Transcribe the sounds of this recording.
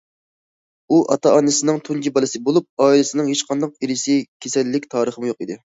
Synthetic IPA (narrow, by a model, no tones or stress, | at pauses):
uʔɑt̪ʰɑɑnɨsɪnɪŋt̪ʰund͡ʒibɑlˠɨsɨbolˠup̚ɑːilɪsɪnɪŋheʃqʰɑnd̪ɑqiɾɪsɪkʲʰesɛlːɪkʲt̪ʰɑːɾəχəmujoqid̪ɪ